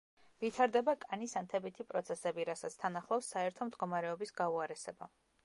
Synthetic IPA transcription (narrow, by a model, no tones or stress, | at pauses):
vit̪ʰaɾd̪ɛbakʼanisant̪ʰɛbit̪ʰipʼɾɔt̪sʰɛsɛbiɾasat̪sʰt̪ʰanaχlˠafsːaɛɾt̪ʰɔmd̪ɡɔmaɾɛɔbisɡauaɾɛsɛba̰